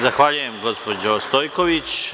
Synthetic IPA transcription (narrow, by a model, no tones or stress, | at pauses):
zaxʋaːʎuje̞mɡo̞spod͡ʒost̪oːjkoʋit͡ʃ